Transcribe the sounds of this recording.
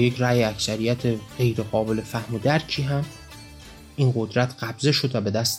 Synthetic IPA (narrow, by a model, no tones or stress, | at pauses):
jecʰɾæːjeæksæɾijæt̪ʰeɢe̞jɾe̞ɣɒːbe̞le̞fæhmod̪æɾcʰiːɦæm | ʔinɢo̞d̪ɾæt̪ʰɢ̥æbze̞ʃo̞d̪væbe̞d̪æst̪